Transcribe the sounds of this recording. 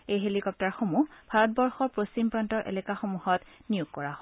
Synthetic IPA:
ejɦelikɔp̚taɹxomub̥ʱaɹɔt̚bɔɹxɔɹpɹost͡ɕimpɹantɔɹʔḛlɛkaxomuhɔtnijuɡ̚kɔɹaɦɔ

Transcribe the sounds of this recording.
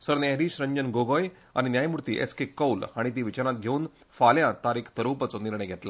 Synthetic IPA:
səɾnɛɦɾiːɕɾəɲd͡ʑənɡoɡoj | a̰ɽ̃injajmuɾt̪ḭːʔḛskekːəwlaɽ̃it̪̬iʋit͡ɕaɾãt̪̚ɡʱeuːn | faljãt̪aɾikʰt̪əɾupat͡sɔniɾɳəjɡʱet̪la

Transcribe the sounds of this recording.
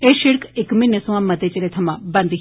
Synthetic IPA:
eːʃɪɽkɪkmɪ̃nesũãːmət̪eːt͡ʃeleːt̪ʰəmãːbə̃nd̪i

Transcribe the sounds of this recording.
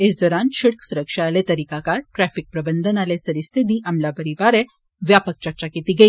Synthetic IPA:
esd̪ɔɾãnɕiɽksuɾəkʂaːlet̪əɾikakaɾʈɾæfik̚pɾəbənd̪ʱənalesəɾist̪ʰid̪iːʔamljapəɾibaɾe | ʋjapək̚t͡ɕat͡ɕakit̪iːɡʱeː

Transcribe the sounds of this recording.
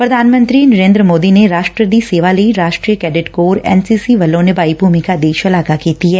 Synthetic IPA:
pɾɐd̪ʱaːnmə̃nt̪ɾinɐɾẽːnd̪ɾəmoːd̪ineɾaːʃʈɾəd̪iseːʋalɐiɾaːʃʈɾiːəkɛːɖɪʈkoːɾɛ̰ːnsiːsiʋɐlːõnebaːibʱuːmikad̪eːʃɐlaːkakeːt̪iɦɛː

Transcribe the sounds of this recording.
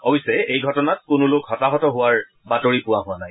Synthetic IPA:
obisɛejɡʱɔtɔnat̚kʊnʊlʊkhɔtaɦɔtɔɦʊwaɹ | batoɹipʊwaɦʊanaj

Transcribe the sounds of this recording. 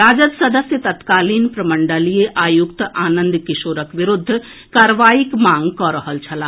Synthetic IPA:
ɾaːd͡ʒət̪sɐd̪əsjət̪ɐt̪kaːliːnpɾɐməɳɖəlijeʔaːjʊkt̪ʔaːnə̃nd̪kɪʃoːɾəkʋɪɾʊd̪ʱː | kaːɾʋaːjikmãːŋɡkɔːɾəɦəlt͡ʃʰɐlaː

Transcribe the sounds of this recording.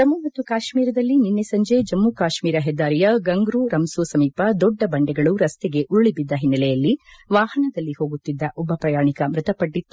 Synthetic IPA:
t̪ɐmːumɐt̪ːukaːʃmiːɾɐd̪ɐlːininːesɐɲd͡ʒed͡ʒɐmːukaːʃmiːɾɐɦɛd̪ːaːɾijɐɡɐŋɡɾuɾɐmsuːsɐmiːpɐd̪ɔɖːɐbɐɳɖɛɡɐɭuɾɐst̪eɡe̞ʔuɭːibid̪ːɐɦinːɐlɛjɐlːiʋaːhɐnɐd̪ɐlːihoːɡut̪ːid̪ːɐʔɔbːɐpɾɐjaːɳikɐmɾɨt̪ɐpɐʈːit̪ːu̥

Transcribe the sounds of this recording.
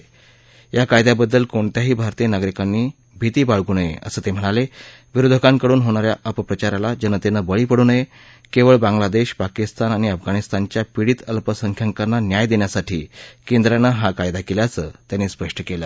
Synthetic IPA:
jakajd̪jabəd̪ːəlkoɳt̪jaɦiːbʱaɾt̪iːjənaɡɾikanːiː | bʱit̪iːbaɭɡuːnəjḛʔə̰səːt̪em̤əɽ̃ale | ʋiɾud̪ʱəkaŋkəɽuːnɦoɽ̃aɾjaʔəpəpɾət͡ɕaɾalad͡ʑənət̪enəbəɭiːpəɽuːnəje | keʋəɭbaŋɡlad̪eɕpakist̪anaɽ̃iəfɡaɽ̃ist̪aɲt͡ɕjapiɽiːt̪əlpəsəŋkʰjaŋkanːanjajd̪eɳjasaʈʰiːkend̪ɾanəɦakajd̪akeljat͡sət̪janːiːspəʂʈʰəkela̰

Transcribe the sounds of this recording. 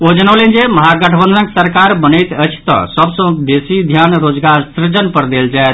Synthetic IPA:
od͡ʒənəlend͡ʒeməɦaɡəʈʰəbə̃nd̪ənəksəɾkaɾbənəjt̪əjt͡ʃʰt̪ɔ̰səbsə̃kbesid̪ʱjanɾod͡ʒɡaɾsɾɪɾd͡ʒənpəɾd̪eld͡ʒajt̪̚ʰ

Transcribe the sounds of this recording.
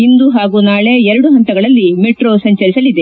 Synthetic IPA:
ind̪uɦaːɡuːnaːɭe̞ɛɾɐɽuɦɐnt̪ɐɡɐɭɐlːimiʈɾoːsɐɲt͡ʃɐɾisɐlid̪e

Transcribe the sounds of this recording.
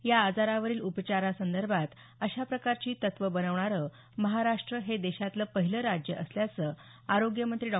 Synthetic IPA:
jaːd͡zaɾaʋəɾiːlupt͡ɕaɾasənd̪əɾbʱat̪ | əɕapɾəkaɾt͡ɕiːt̪ət̪ʋəbənəʋɳ̃aɾə | məɦaɾaʂʈɾəɦed̪eɕat̪ləpəɦiləɾad͡ʑjəʔəsljat͡sə | aɾoɡjəmənt̪ɾiːɖɔ

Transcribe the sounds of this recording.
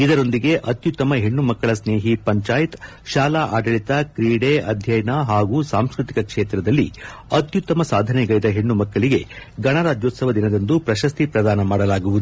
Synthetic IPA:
id̪ɐɾo̞nd̪iɡe̞ʔɐt̪jut̪ːɐmɐɦeɳːumɐkːɐɭɐsneːɦipɐɲt͡ʃaːjt̪ | ʃaːlaʔaːɖɐɭit̪ɐkɾiːɽeʔɐd̪ʱjɐjɐnɐɦaːɡuːsaːmskɾit̪ikɐkʂeːt̪ɾɐd̪ɐlːḭɐt̪jut̪ːɐmɐsaːd̪ʱɐnɛɡɐjid̪ɐɦe̞ɳːumɐkːɐɭiɡe̞ | ɡɐɳɐɾaːd͡ʒjot̪sɐʋɐd̪inɐd̪ɐnd̪upɾɐʃɐst̪ipɾɐd̪aːnɐmaːɽɐlaːɡuʋud̪u

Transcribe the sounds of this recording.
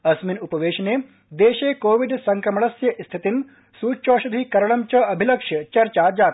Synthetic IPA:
ɐsminupɐʋeːʃɐne | d̪eːʃeːkoːʋiɖsɐŋkɾɐmɐɭɐsjɐʔst̪ʰit̪in | suːt͡ʃoːʃɐd̪ʱikɐɾɐɽɐmt͡ʃɐɐbʱilɐkʂɐt͡ʃɐɾt͡ʃad͡ʒaːt̪

